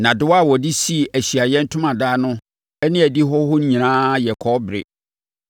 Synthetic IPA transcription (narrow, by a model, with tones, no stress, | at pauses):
nã˨dʊ˨˦wa˦˨wɔ˨di˦si˦˨æ˨ɕi˨a˨jɛ˦n̩˦tʰʊ̃˦mã˨daː˦nʊ̃˦ | ɛ˦nɪ̃˦æ˨di˦ɦɔ˦hʊ˦ɲ̩˦ɲĩ˨nãː˦jɛ˨kʰɔ˦bɾɪ̰˨